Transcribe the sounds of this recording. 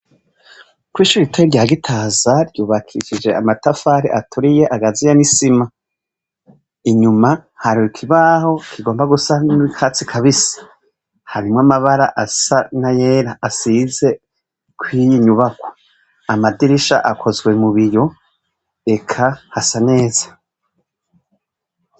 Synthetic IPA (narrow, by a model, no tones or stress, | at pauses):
kwiːʃuɾiitaɾiɾɟaːɡitʰaːzaɾɟuːβakʰiʃid͡ʒe̞a̰matafaːɾḛʔatʰuɾijeʔaɡazijanisima | iɲumahaɾukʰiβaho̞kʰiɡo̞ːmbaɡusaniikʰat͡sikʰaβisi̥ | haɾimŋamaβaɾaʔasanajeːɾaːsize̞ | kʰwijiɲuβakwo̥ | amadiɾiʃa̰ʔakʰo̞zwe̞muβijo̞ | e̞kʰahasane̞ːzḁ